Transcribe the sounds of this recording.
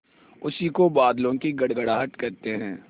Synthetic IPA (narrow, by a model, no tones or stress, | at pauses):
ʊsikobaːd̪lõkiɡɐɽɡəɽaːɦət̪kɐɾt̪eɦɛ̃ː